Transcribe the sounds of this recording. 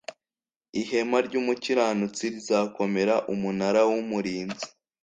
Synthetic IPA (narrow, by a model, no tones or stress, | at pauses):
iɦe̞maɾɟuːmuciɾaːnut͡siɾizako̞me̞ɾaʔumunaɾawumuɾiːnzi̥